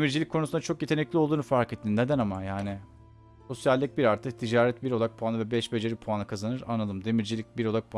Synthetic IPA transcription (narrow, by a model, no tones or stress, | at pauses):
miɾd͡ʒilʲikʰːo̞nusund̪at͡ʃʰo̞kjet̪ʰe̞nɛclʲiolˠd̪uːnufaɾket̪ʰːinnːed̪ænamajaːni | so̞sjalʲːic̚biɾaɾt̪ʰɯk̚t̪ʰid͡ʒaːɾɛt̪biɾo̞lˠak̚pʰuanˠɯvɛbɛʃbe̞d͡ʒe̞ɾipʰuanɯkʰazanɯɾa̰nlˠalˠɯmd̪e̞miɾd͡ʒilʲic̚biɾolˠak̚pʰua